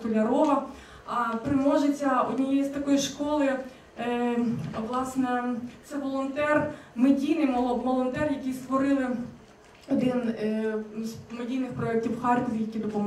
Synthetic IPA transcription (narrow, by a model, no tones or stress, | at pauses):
kɔlʲɐɾɔʋɐ | ɐpɾɪmɔʒɪt͡sʲːɐʊdʲnʲijɛjst̪ɐkɔjiʃkɔlˠɪ | ʋlˠɑsnɛt̪sɛʋɔlˠɔnt̪ɛrmedʲijnɪjˠʋɔlˠɔnt̪ɛrjɐkʲijst̪ʋɔɾɪlˠɪ | ɔd̪ɪn | zmedʲijnɪxpɾɔɛk̚tʲiwxɑrkɔʋʲijɐkʲid̪ɔpɔm